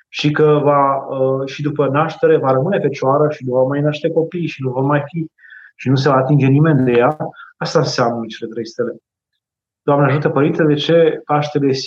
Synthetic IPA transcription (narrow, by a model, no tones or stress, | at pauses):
ʃikəvaəʃid̪upənaʃt̪e̞ɾe̞vaɾəmɨne̞fe̞t͡ʃoaɾəʃinuvomajnaʃt̪e̞ko̞pijʃinuvo̞rmajfi | ʃinus̬e̞vaːt̪ind͡ʒe̞nime̞nd̪e̞jaast̪aɨnseamnət͡ʃe̞le̞t̪ɾejst̪ele̞ | d̪̥oamneaʒut̪əpəɾint̪ed̪e̞t͡ʃe̞paʃt̪eles